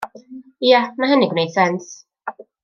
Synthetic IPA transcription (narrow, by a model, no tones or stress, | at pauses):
ijanaɦɛniɡwnejd̥sɛns